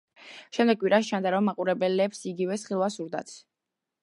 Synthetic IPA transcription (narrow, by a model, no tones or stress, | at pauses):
ʃɛmd̪ɛɡkʼwiɾast͡ʃʰand̪aɾɔmːaqʼuɾɛbɛlɛpsiɡivɛsχilˠwasuɾd̪a̰t̪sʰ